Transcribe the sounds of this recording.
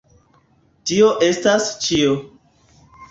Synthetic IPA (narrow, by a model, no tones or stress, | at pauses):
tioʔe̞stast͡ʃio